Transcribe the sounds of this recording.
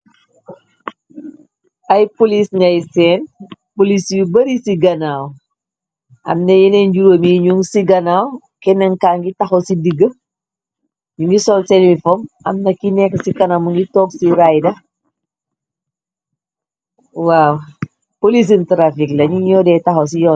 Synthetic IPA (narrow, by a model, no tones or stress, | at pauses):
ɐjpolisɲɐjsɛːnpolisjubɐɾisiɡɐnaːw | ɐ̰mnɐjɛnɛɲɟuɾoːmiɲuŋsiɡɐnaːw | kɛnɛŋkaːŋɡitɐxosidiɡə | ɲuŋɡisɔlsɛnwifɔm | ɐmnɐkːinɛkːsikɐnamuŋɡitɔːksiɾajdɐ | waw | polis̬intɾafiklɐɲuɲɔːdɛtɐxos̬ijɔ